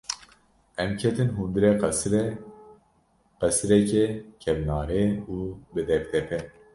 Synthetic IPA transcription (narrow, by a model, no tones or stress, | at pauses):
ɛmkʰɛt̪ɨnɦund̪ɨɾeqɾɛ | qɛsɨɾɛkɛkʰɛvnɑːɾeuːbɨd̪ɛɾd̪ɛpʰɛ